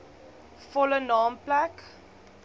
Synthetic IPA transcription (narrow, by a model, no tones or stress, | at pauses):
fɔlənɑːmplæk